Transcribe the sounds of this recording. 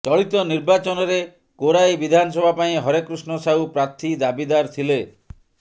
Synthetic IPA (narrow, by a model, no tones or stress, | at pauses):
t̪ɔɭit̪ɔniɾbat͡ʃɔnɔɾe | koɾajbid̪ʱanɔsɔbʱapaĩɦɔɾekɾusnɔsaupɾat̪ʰːid̪abid̪aɾt̪ʰile